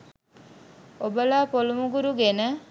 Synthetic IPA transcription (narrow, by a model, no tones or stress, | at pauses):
obəlaːpolumuɡuɾuɡenə